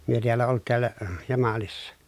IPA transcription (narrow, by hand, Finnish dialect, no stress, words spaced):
myø tiælːæ olt tiælːæ jɑmɑlisːɑ